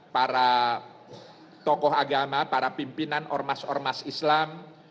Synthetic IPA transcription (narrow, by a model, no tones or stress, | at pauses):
paɾa | t̪ɔkɔɦaɡamapaɾapimpinanɔrmasɔ̰rmasislam